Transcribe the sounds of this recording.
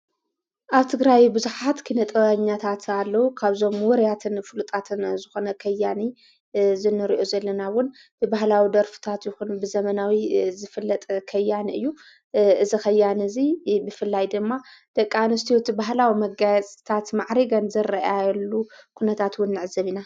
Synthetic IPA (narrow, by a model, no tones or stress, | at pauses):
ʔaβt̪ʰɨɡɾajbɨzuħat̪kʰinɐt̪ʼβaɲːat̪ʰat̪ʰalːɐwukʰaβzo̞mwɔɾjat̪ʰɨnfɨlut̪ʼat̪ʰɨnzɨxo̞nɐkʰɐjːani | zɨnːɨɾiʔo̞zɐlːɐnawʊn | b̥ɨbahlawid̪ɐɾfɨ̥t̪ʰat̪jɪxunbɨzɐmɐnawizɨfɨlːɐt̪ʼkʰɐjːanɨ̰jːu | ʔɨzixɐjːanɨzibɨfɨlːajd̪ɨmːad̪̥ɐkʼːinɨst̪ʰijot̪baɦlawimɐɡajɐt͡sʼt̪ʰat̪maʕɾiɡɐnzɐrɐʔajɛlːukʰunɐt̪ʰat̪wʊnːɨʕɨzɐβina